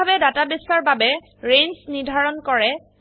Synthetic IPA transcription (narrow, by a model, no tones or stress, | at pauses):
abɛdatabisɔɹbabɛ | ɹensnidʱaɹɔnkɔɹɛ